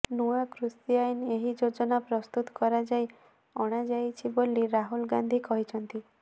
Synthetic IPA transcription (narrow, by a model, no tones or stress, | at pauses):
nuakɾusijajɔneɦid͡ʒod͡ʒɔnapɾɔst̪ut̪ɔ̥kɔɾad͡ʒaj | ɔɽ̃ad͡ʒajt͡ʃʰiboliɾaɦulɡand̪ʱikɔɦit͡ʃʰɔnt̪i